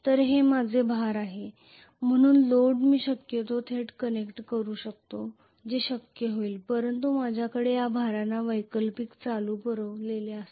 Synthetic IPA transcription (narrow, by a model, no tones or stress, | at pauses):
t̪əɾɦemad͡zʱebʱaɾaɦe | m̤əɽ̃uːnloɽmiːɕəkjət̪ot̪ʰeʈkənekʈkəɾuːɕək̚t̪o | d͡ʑeɕəkjəɦoiːlpəɾənt̪umad͡ʑʱjakəɽejabʱaɾanːaʋəjkəlpikt͡saluːpəɾəʋleleas